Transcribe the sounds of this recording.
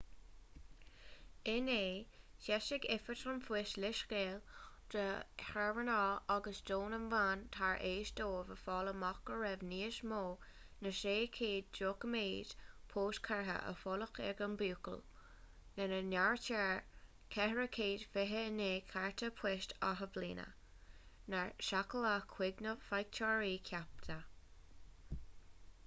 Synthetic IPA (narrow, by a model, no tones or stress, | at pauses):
ɪneːʃɛʃɪɡɪfət̪ʰɾənfwɪʃlɪʃɡeːl | d̪̥əhɛɹvənɔːaɡəsdoːnənvaːnt̪ʰaɹʔeːʃd̪oːvəfɔːləmɔkəɹɛvniːəʃmoː | nəʃeːkʰeːd̚d͡ʒoːkəmeːd̥pʰoːskʰaɹɦə̰ʔə̰fɔləxɛ̰ɡəmbuːkə̰l | nənənaɹtʰaɹ | kʰɛhəɹəkʰeːd̥fɪɦəəneːkʰaɹt̪ʰəpʰwɛʃtʰa̰ɦəvlḭːnə̰ | naɹʃakəlakʰwɪɡnəfajk̚t͡ʃʰaɹiːkʰjap̚t̪ʰə